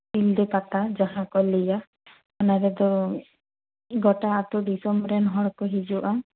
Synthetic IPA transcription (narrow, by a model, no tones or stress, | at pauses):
pild̪ɛpat̪ad͡ʒaɦãkɔlɛja | ɔnaɾɛd̪ɔ | ɡɔʈaːt̪ɔɖisɔmbɾɛnɦɔɽkɔɦid͡ʒuʔa